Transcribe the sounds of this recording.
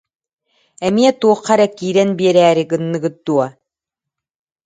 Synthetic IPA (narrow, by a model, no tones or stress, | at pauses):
ɛmiɛt̪uɔqːɑɾɛkːiːɾɛnbiɛɾæːɾikɯnːɯɡɯt̪̚d̪uɔ